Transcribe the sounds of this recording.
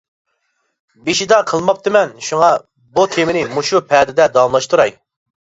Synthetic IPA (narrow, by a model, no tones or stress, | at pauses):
beʃid̪ɑqʰəlˠmɑp̚t̪ʰɨmɛnʃuŋɑ | but̪ʰemɪnɪmuʃupʰɛd̪ɪd̪ɛd̪ɑmlˠɑʃt̪ʰuɾɑj